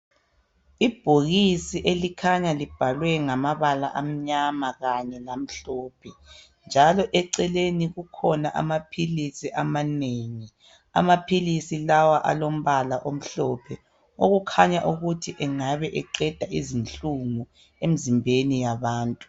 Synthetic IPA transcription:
ib̥ʱoɣisiʔelikʰaɲalib̥ʱalwɛŋamaβala̰ʔam̩ɲamaɣaɲɛlam̩ɬɔːpʰɛ | nd͡ʒʱalɔʔɛǀɛleniɣukʰɔnaʔa̰mapʰilisiʔamaneːŋi | a̰mapʰilisilawaʔa̰lom̩βalaʔom̩ɬɔpʰɛ | oɣukʰaɲaʔuɣutʰiʔɛŋaβɛʔɛǃɛd̥ʱaizinɬuŋu | em̩zimbʱenijaβaːntʼu̥

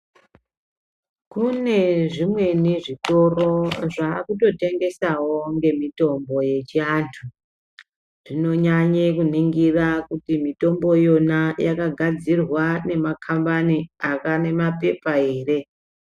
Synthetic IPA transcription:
kune̞ʐimwe̞neʐito̞ro̞ʐaːkuto̞te̞ŋɡe̞sawo̞ŋɡe̞mito̞mbo̞je̞t͡ʃiaːntʰu | ʐ̥ino̞ɲaɲekuniŋɡirakutimito̞mbo̞jo̞najakaɡʱad͡zirwane̞makʰambaniakane̞mape̞pae̞ːre̞

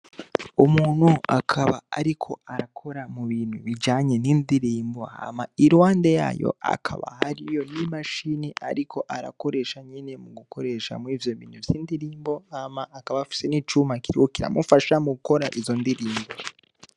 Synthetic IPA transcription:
umuːn̥huakʰaβaːɾikʰo̞aɾakʰo̞ɾamuβiːn̥huβid͡ʒaːɲe̞niːndiɾiːmbo̞ha̰maiɾwaːndeja̰ːjo̞̰a̰kʰa̰βa̰haɾijo̞nimaʃineʔa̰ɾikʰo̞ʔaɾa̰ko̞ɾe̞ːʃaɲine̞muɡukʰo̞ɾe̞ʃa̰mwiːvjo̞βḭːn̥uvjiːndiɾiːmbo̞hamaːkaβaːfi̥se̞niːt͡ʃumakiɾikokiɾa̰mufaʃamuɡuko̞ɾaʔizo̞ndiɾiːmbo

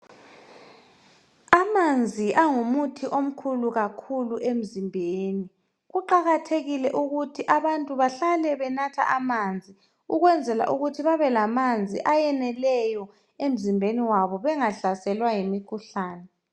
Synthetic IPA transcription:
amand͡zʱiʔaŋumutʰiʔom̩kʰuluɣakʰuluʔem̩zimbʱeːni | ɣuǃaɣatʰeɣilɛʔuɣutʰiʔaβantʼuβaɬalɛβɛnatʰa̰ʔamand͡zʱi | uɣwɛnd͡zʱɛla̰ʔuɣutʰiβaβɛlamand͡zʱiʔajɛnɛlɛjɔ | em̩zimbʱeniwaβɔβɛŋaɬasɛlwajemikʰuɬaːnɛ

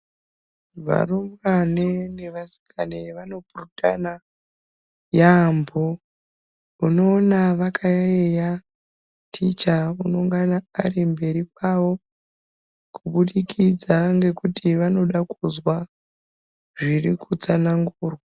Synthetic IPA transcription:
ʋa̰rumanene̞ʋasi̥kʰaneʋano̞puruta̰na | jambo | uno̞ːnaʋakʰajaeja | tʰit͡ʃauno̞ŋɡanaːrimbe̞ɾikwawo̞ | kuɓuɗikid͡zaŋɡe̞kutʰiʋano̞ɗakuzwa | ʐirikut͡sanaŋɡuːrwa

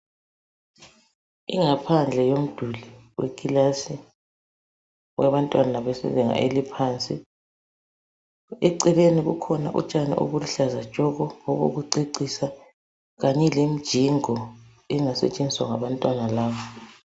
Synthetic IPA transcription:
ḭŋapʰand͡ɮʱɛjom̩d̥ʱuliwḛkʼilasi | waβantʼwanaaβesḭzɛŋa̰ʔelipʰaːnt͡sʼi | eǀileniɣṵkʰɔna̰ʔṵt͡ʃʼanḭʔṵβuluɬazḁt͡ʃʼɔɣɔoβo̰ɣuǀiǀisa | ɣaɲɛlem̩d̥ʒ̥ʱiŋɔ | ɛŋasɛ̰t͡ʃʼend͡ziswaŋaβantʼwanalaːβɔ

